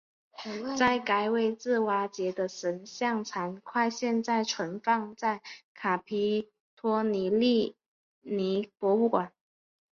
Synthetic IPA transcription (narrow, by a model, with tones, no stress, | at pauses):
t͡sa˥˩ɪka˧˥ɪwe˨˩ɪt͡sɹ̩˥˩wa˧˥t͡ɕjɛ˧˥d̪ə˧ʂə˧˥nɕjɑ˥˩ŋt͡sʰa˧˥nkʰwa˥˧ɪɕjɛ˥˧nt͡sa˥˩ɪʈ͡ʂʰwə˧˥nfɑ˥˧ŋt͡sa˥˩ɪkʰa˨˩pʰi˧˥ | t̪ʰwɔ˥ni˧˥li˥˩ | ni˧˥pwɔ˧˥u˥˩kwa˨˩˦n